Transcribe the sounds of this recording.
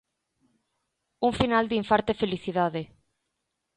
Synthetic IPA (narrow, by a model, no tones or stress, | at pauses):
uŋfinald̪iɱfaɾt̪efeliθiðaðe